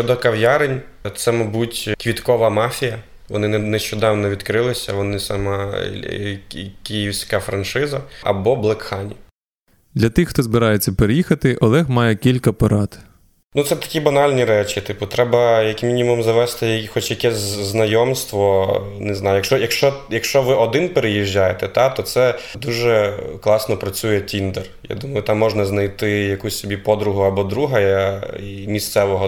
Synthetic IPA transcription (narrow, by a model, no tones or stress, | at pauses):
ɔd̪ɔkɐwjaɾɪnʲ | t̪sɛmɐbutʲkʋʲit̪kɔʋɐmɑfʲijɐ | ʋɔnɪnɛʃt͡ʃɔd̪ɑwnɔʋʲid̪kɾɪlˠɪsʲɐ̰ʋɔnɪsɐmɑ | kʲijiwsʲkɐfɾɐnʃɪzɐɐ̰bɔblˠɐkxɑnʲi | d̪lʲɐt̪ɪxxt̪ɔzbɪɾɑjet͡sʲːɐpeɾejixɐt̪ɪʔɔlˠɛxmɑjɛkʲilʲkɐpɐɾɑt̪ | nut̪sɛt̪ɐ̥kʲibɐnɑlʲnʲiɾɛt͡ʃit̪ɪpʊt̪ɾɛbɐjɐkmʲinʲimumzɐʋɛst̪ɪjxɔt͡ʃjɐkɛsʲznɐjɔmst̪ʋɔneznɑjʊjɐkʃt͡ʃɔjɐkʃt͡ʃɔjɐkʃt͡ʃɔʋɪʔɔd̪ɪnpeɾejiʒːajet̪ɛt̪ɑt̪ɔt̪sɛd̪uʒɛklˠɑsnɔpɾɐt͡sʲujɛtʲind̪ɛrja̰d̪umɐjʊt̪ɑmːɔʒnɐznɐjt̪ɪjɐkusʲsʲɔbʲipɔd̪ɾʊɦʊɐbɔd̪ɾuɦɐjɐimʲist̪sɛʋɔɦɔ